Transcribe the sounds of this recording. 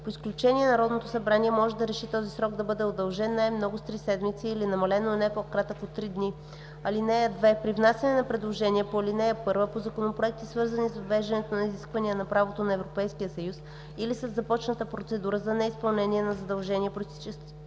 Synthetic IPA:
poisklʲut͡ʃɛniɛnɐɾɔd̪not̪osɐbɾaniɛmɔʒɛd̪ɐɾɛʃit̪ɔzisɾɔɡ̚d̪ɐbɤd̪ɛod̪ɐlˠʒɛnːajmnɔɡʊst̪ɾisɛd̪mit̪siːlinɐmɐlɛnonɛpokɾat̪əkot̪ːɾid̪ni | ɐlinɛjəd̪vɛpɾivnasʲənɛnɐpɾɛd̪lˠoʒɛniɛpolinɛjəpɤɾvəpozɐkonopɾoɛk̚t̪isvɤɾzənisvɐvɛʒd̪ɐnɛt̪onɐiziskvɐnijənɐpɾavot̪onɐɛvɾopɛjskijəsɐjus | ilisɐzːɐpɔt͡ʃnət̪əpɾot̪sɛd̪uɾəzɐnɛispɐlˠnɛniɛnɐzɐd̪ɐlˠʒɛniɛpɾost̪i̥t͡ʃɛst̪

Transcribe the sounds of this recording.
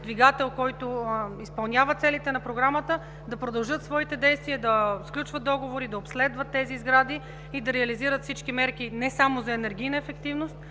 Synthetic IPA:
d̪viɡat̪ɛlˠkɔjt̪oispɐlˠnʲavət̪sɛlit̪ɛnɐpɾoɡɾamət̪ə | d̪ɐpɾod̪ɐlˠʒɤt̪svɔit̪ɛd̪ɛjst̪viəd̪ɐsklʲut͡ʃvət̪̚d̪ɔɡovoɾid̪ɐopslɛd̪vət̪ːɛziːzɡɾad̪i | id̪ɐɾɛɐliziɾət̪fsit͡ʃkimɛɾk̟inɛsamozɐɛnɛɾɡ̟ʲijnəɛfɛkt̪ivnost̪̚

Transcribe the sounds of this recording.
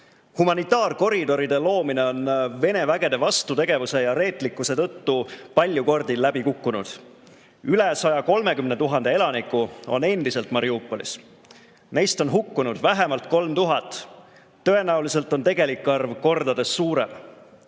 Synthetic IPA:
humɑnit̪ːˑɑːrko̞ɾid̪̥o̞ɾid̪e̞lo̞ːmine̞o̞nve̞ne̞væɡ̥e̞d̪̥e̞vɑst̪ut̪e̞ɡ̥e̞vuse̞jɑɾe̞ːt̪ˑlikːˑuse̞t̪ɤ̞t̪ːupɑlʲjuko̞rd̪̥illːæb̥ikukːunṵd̪̥ | ylesɑjɑko̞lme̞kymne̞t̪uɦɑnd̪ee̞lɑnikːˑuo̞̰ne̞nd̪̥ise̞lt̪mɑɾiuːpːˑo̞lḭs | ne̞jst̪o̞nɦukːunud̪̥væɦemɑlt̪̚ko̞lmt̪uɦɑt̪ˑː | ɤ̞e̞næulise̞lt̪ˑo̞nt̪e̞ɡ̥e̞likːɑrvko̞rd̪̥ɑd̪e̞sːuːɾe̞̰m

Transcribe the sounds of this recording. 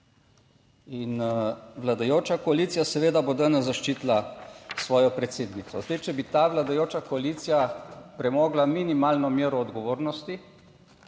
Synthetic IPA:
inʋlad̪ajoːt͡ʃakɔaliːt̪sijasɛʋeːd̪abod̪anɛzːaʃt͡ʃiːt̪lasʋɔːjɔpɾɛt̪seːd̪nit̪sɔzd̪ɛɪt͡ʃɛbit̪aːʋlad̪ajoːt͡ʃakɔaliːt̪sijapɾɛmoːɡlaminimalnɔmjeːɾɔːd̪ɡɔʋoːɾnɔst̪i

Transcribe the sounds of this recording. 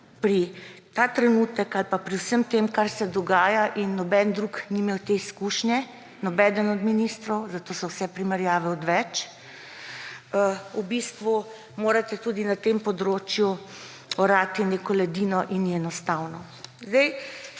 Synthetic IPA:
pɾit̪at̪ɾɛnuːt̪əkalpapɾiwsəmt̪eːmkaɾsɛd̪ɔɡaːjaʔinːɔbɛnd̪ɾukniːmeːwt̪eiskuʃnjɛ | nɔbɛːd̪ənɔd̪miniːst̪ɾɔwzat̪oːsɔwsɛpɾimɛɾjaːʋɛɔd̪ʋɛt͡ʃ | ubist̪ʋu | moːɾat̪ɛt̪uːd̪inat̪empɔd̪ɾoːt͡ʃju | ɔɾaːt̪inekɔlɛd̪iːnɔʔinːiɛnɔst̪awnɔ | zd̪ɛj

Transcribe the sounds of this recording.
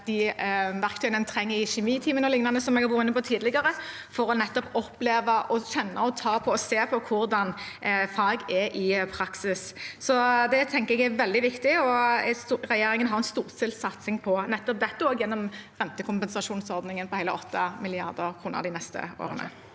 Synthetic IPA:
d̪̥ɪʋæʁkt̪ʰœʏənənt̪ʰɾɛŋːəɾɪɕɛmiːt̪ʰiːmənɔlɪŋnɑnəsɔmɛɡhɑbʊɪnːəpɔt̪ʰiːd̪lɪɡɑʁə | fɔɾɔnɛt̪ːɔpɔpːleːʋɑʔɔɕɛnːɑ̰ɔt̪ʰɑːpʰɔɔseːpʰɔkʰʊɾd̪ɑnfɑːɡɛɾʔɪpʰɾɑksɪssɔd̪ɛt̪ʰɛŋkəɛɡɛɾʋɛld̪ɪʋɪkt̪ɪɔst̪ːʁɛjeːɾɪŋənɦɑɾɛnst̪uːʁsɪlsɑt̪sɪŋpʰɔnɛt̪ːɔp̚d̪ɛt̪ːəoːɡjɛnːɔmʁɛnt̪əkʰʊmpɛnsɑʂuːnsɔʁd̪nɪŋənpɔhæɪləʔɔt̪ːɑmɪlɪɑ̰ʁd̪əkʰɾuːnə̰ɾd̪ɪnɛst̪ə̰o̰ːɾə̰nə̰

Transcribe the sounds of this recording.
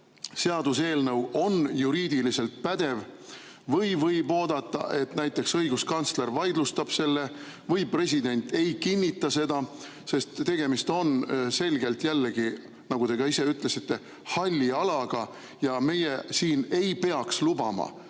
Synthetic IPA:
se̞ɑd̪̥use̞ːlnɤwo̞njuɾiːd̪̥ilise̞lt̪̚pæd̪̥e̞v | vɤjvɤjbo̞ːd̪̥ɑt̪ˑːɑ̰ʔe̞t̪næjt̪ːˑe̞ksɤjɡ̥uskɑnsle̞rvɑjd̪lust̪ɑb̥se̞lːe̞ | vɤjpre̞s̬ʲid̪e̞nʲt̪ˑe̞jkinʲːit̪ˑːɑse̞d̪̥ɑ | se̞st̪ːe̞ɡ̥e̞mist̪o̞nse̞lɡe̞lt̪jælːeɡ̥i | nɑɡ̥ud̪e̞ɡ̥ɑise̞yt̪ˑle̞sit̪ːe̞ | hɑlʲːiɑlɑɡ̥ɑ | jɑme̞jesiːne̞jpe̞ɑkslubɑ̰mɑ̰

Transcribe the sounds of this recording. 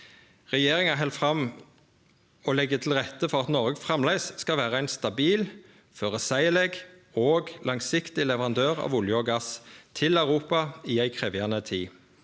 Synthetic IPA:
ʁɛjeːʁɪŋæɦɛlfʁɑm | ɔlɛɡːət̪ʰɪlʁɛt̪ːəfɔʁɑt̪nɔʁɡəfʁɛmlæɪsskɑʋæːʁəæɪnst̪ɑbiːl | føːʁəsæɪlɛɡ | oːɡlɑŋsɪkt̪ɪlɛʋəʁɑnd̪øːʁɑ̰ʋʊljəɡɑst̪ʰɪlɑʉʁuːpɑiːæɪkʰʁeːʋjænət̪ʰiː

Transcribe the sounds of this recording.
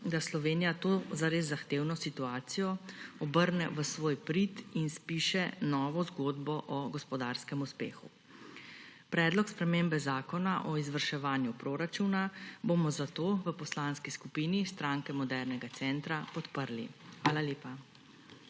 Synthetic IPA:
d̪aslɔʋeːnijat̪oːzaɾeːzːaxt̪eːwnɔsit̪uaːt̪sijɔɔbəɾnɛʋəsʋoːjpɾit̪inspiːʃɛnɔːʋɔzɡoːd̪bɔʔɔɡɔspɔd̪aːɾskɛmuspḛːxṵ | pɾɛːd̪lɔkspɾɛmeːmbɛzaːkɔnaʔɔizʋəɾʃɛʋaːnjupɾoɾat͡ʃunabomɔzat̪oːʋəpɔslaːnskiskupiːnist̪ɾaːŋkɛmɔd̪ɛɾnɛɡat̪sɛːnt̪ɾapɔt̪pəɾlḭxʋaːlaleːpa

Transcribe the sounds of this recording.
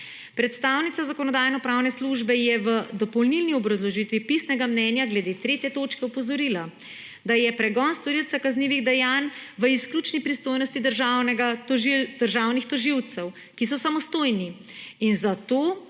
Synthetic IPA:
pɾɛt̪st̪aːwnit̪sazakɔnɔd̪aːjnɔpɾawnɛsluʒbɛjɛʋəd̪ɔpɔwlnilniɔbɾazlɔʒit̪ʋipisnɛɡamnɛnjaɡlɛd̪et̪ɾeːt̪jɛt̪ot͡ʃkɛɔpɔzɔɾila | d̪ajɛpɾɛɡɔnst̪ɔɾiltsakazniːʋiɣd̪ɛjaːnʋəiskluːt͡ʃnipɾist̪oːjnɔst̪id̪əɾʒawnɛɡaɔʒid̪əɾʒaːwnixt̪ɔʒiwt̪sɛw | kis̬ɔsamɔst̪oːjniinzat̪oː

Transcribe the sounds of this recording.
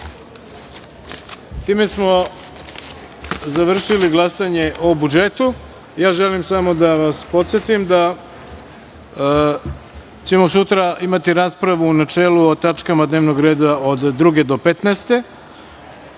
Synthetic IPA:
t̪iːme̞smo̞ | zaʋr̩ʃiliɡlˠasaɲe̞ʔobud͡ʒet̪u | jaːʒe̞limsamo̞d̪aʋaspo̞t̪sjet̪ujemd̪a | t͡ɕemo̞sut̪ɾaimat̪iɾaːspɾaʋuːnat͡ʃeːluot̪at͡ʃkamad̪neːʋno̞ɡɾe̞ːd̪aod̪ːɾuɡe̞d̪o̞pet̪neːst̪e̞

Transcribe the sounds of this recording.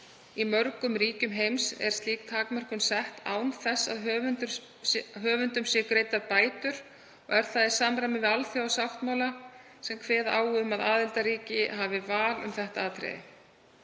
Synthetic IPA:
imœɾkʏmɾiːcʏmɦejmsɛ̰ɾ̥st̪liːkt̪ʰaːkmar̥kʏnsɛht̪ʰa̰ːwnθɛsːa̰ðɦ̪t̪ | ɦœːvʏnt̪ʏmsɪkɾeːjt̪aɾpaːjt̪ʏɾ̥ | ɔɣɛɾ̥θaðɪ̥saːmɾajmɪvɪalθjawasawht̪mawla | sɛmkʰvɛːðaːwɣʏʏmaðaːðɪlt̪aɾiːcɪɦavɪvaːlʏ̰mθɛht̪aaːt̪ɾɛ̰jðɪ̰

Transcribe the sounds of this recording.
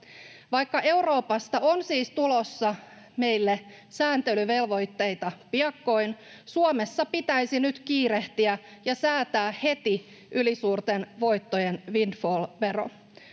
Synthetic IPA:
ʋɑjkːɑʔe̞uro̞ːpɑst̪ɑonsiːst̪ulosːɑ | me̞jlːe | sæːnt̪elyʋe̞lʋo̞jt̪ːe̞jt̪ɑpiɑkːo̞jn | suome̞sːɑpit̪æjsinyt̪kiːɾe̞ht̪iæjɑsæːt̪æːhe̞t̪i | ʔylisuːrt̪enʋo̞jt̪ːojenʋindfolʋe̞ɾo̰

